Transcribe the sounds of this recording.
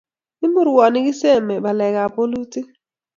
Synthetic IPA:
i˦mu˦ɾu˨wa˨ni˦ki˦sɛ˦˨mɛ˨ba˨lɛ˨ka˨po˦lu˦ti˦

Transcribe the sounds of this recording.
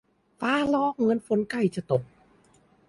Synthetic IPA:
faː˦˥lɔː˦˥˩k̚ŋɤ˧˥˨nfo˧nka˥˩jt͡ɕa˧˩t̪o˨˩k̚

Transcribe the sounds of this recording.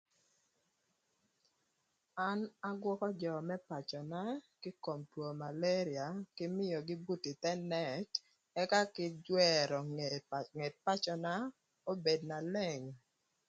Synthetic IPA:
a˦na˦ɡwɔ˦kɔ˦d͡ʒɔ˨mɛ˦pa˨t͡ʃɔ˨na˦kɪ˦ko˨mtwo˨ma˨le˦ɾɪ˨a˨kɪ˦mɪ˦jɔ˨ɡɪ˦bu˦ti˨t̪ɛ˦nɛ˦˨t | ɛ˦ka˦kɪ˦d͡ʒwɛ˦ɾɔ˨ŋe˨t̚pa˦t͡ʃɔ˨na˦ | o˦be˨dna˨lɛ˦˨ŋ

